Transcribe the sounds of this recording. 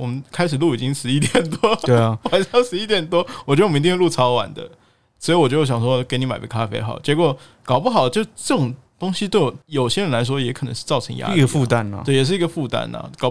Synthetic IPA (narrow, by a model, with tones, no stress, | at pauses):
wɔ˨˩mə˦nkʰa˥ɪʂɻ̩˨˩lu˥˩i˨˩t͡ɕi˦˥ŋʂɻ̩˧˥i˥t̪jɛ˨˩nt̪wɔ˦˥t̪we˥˩˨xwa˨˩nʂjɑ˥˧ŋʂɻ̩˧˥i˧˥t̪jɛ˨˩nt̪wɔ˥wɔ˨˩t͡ɕɥwti˥˧˥lu˥˩t͡sʰɑ˥ʊwa̰˨˩nd̪ə̰˦ | swɔ˧˥i˧˩wɔ˨˩t͡ɕjɕjɑ˨˩ŋʂwɔ˥ke˥ɪni˧˥ma˨˩ɪɡ̰kʰa˥fḛ˥ɪxɑ˨˩˦ʊt͡ɕjɛ˧˥kwɔ˨˩ | kɑ˨˩ʊpu˥˩xɑ˨˩ʊd̪ə˦t͡ɕjo˥˧ʊ˥ʈ͡ʂɤ˥˩ʈ͡ʂʊ˨˩ŋt̪ʊ˥ŋɕi˧t̪we˥˩ɪwɔ˨˦jo˨˩ʊɕjɛ˥ɻə˧˦nla˧˦ɪʂ̬wɔ˥jɛ˧˥kʰɤ˨˩nə̰˧˦ŋʂɻ̩˥˧t͡sɑ˥˩ʊʈ͡ʂʰə̰˧˦ŋja̰˥ii˧ɡə˧fu˥˧t̪a˥˧n̰˨we˥˩jɛ˨˩ʂ̬ɻ̩˥˩i˧˥ɡə˧fu˥˧t̪a̰˥˩nɐ̰˨˩kɑ˨ʊ